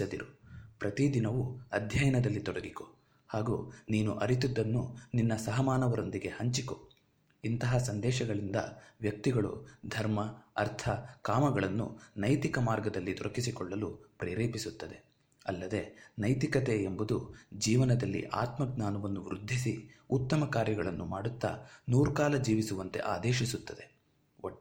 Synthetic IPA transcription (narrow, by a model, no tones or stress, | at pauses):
ɐd̪iɾupɾɐt̪id̪inɐʋuɐd̪ʱjɐjɐnɐd̪ɐlːit̪ɔɽɐɡiko | haːɡṵːniːnṵʔɐɾit̪ud̪ːɐnːuninːɐsɐɦɐmaːnɐʋɐɾond̪iɡe̞hɐɲt͡ʃiko | int̪ɐɦɐsɐnd̪ɛːʃɐɡɐɭind̪ɐ̰ʋjɐk̚t̪iɡɐɭṵd̪ʱɐɾmɐɐ̰ɾt̪ʰɐkaːmɐɡɐɭɐnːṵnɐjt̪ikɐmaːɾɡɐd̪ɐlːid̪ɔɾɐkisikɔɭːɐlupɾeːɾeːpisut̪ːɐd̪e̞ | ɐ̰lːɐd̪e̞nɐjt̪ikɐt̪e̞embud̪ud͡ʒiːʋɐnɐd̪ɐlːḭʔa̰ːt̪mɐɡ̚naːnuʋɐnːuʋɾud̪ʱːisiut̪ːɐmɐkaːɾjɐɡɐɭɐnːumaːɽut̪ːɐ̰nuːɾukaːlɐd͡ʒiːʋisuʋɐnt̪e̞̰ʔa̰ːd̪ɛːʃisut̪ːɐd̪e̞ | o